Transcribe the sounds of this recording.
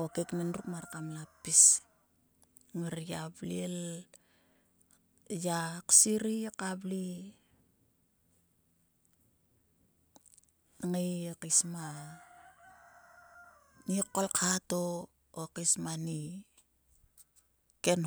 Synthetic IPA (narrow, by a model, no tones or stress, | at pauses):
okeknenɾukmaɾkamlapːis | ŋeɾjabliel | jaksiɾikabli | ŋejekisma | nikːolkʰato | okismani | ken